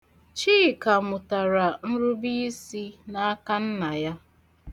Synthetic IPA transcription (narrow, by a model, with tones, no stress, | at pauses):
t͡ʃiː˦˨ka˨mʊ˨ta˨ɾa˨n̩˦ɾʊ˦bi˦si˦na˦ka˦n̩˦na˨ja˦